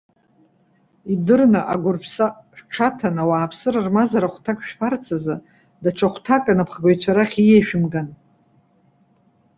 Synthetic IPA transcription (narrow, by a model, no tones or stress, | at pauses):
idɨrnaʔa̰ɡʷʊrpʰsaʃʈ͡ʂʰatʰanawaːpʰsɨɾarmazaɾaχʷtʰakʼʃᶣfart͡sʰaza | daʈ͡ʂʰaχʷtʰakʼanapʰχaɡʷajt͡ɕʷʰaɾaχʲijeʃᶣɪmɡan